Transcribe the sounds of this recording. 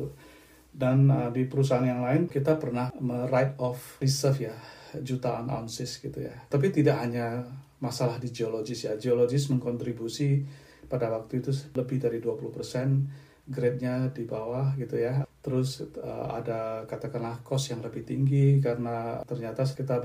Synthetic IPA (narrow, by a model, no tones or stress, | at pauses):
danədipəɾusaanjaŋlaɪnkit̪apərnahmərajt̪̚ɔfrisərfjad͡ʒut̪aɔna̰nsɪsɡ̥it̪ṵja̰t̪ap̬it̪idaʔhaɲa | masalahdid͡ʒioloɡɪsjad͡ʒioloɡɪsməŋkɔnt̪ɾibusi | padawak̚t̪uit̪uləbɪhdaɾiduapuluhpərsɛn | ɡɾet̪̚ɲadibawahɡit̪ujat̪əɾʊsə̰a̰dakat̪akanlahkɔsjaŋləbɪht̪iŋɡikaɾənat̪ərɲat̪askit̪a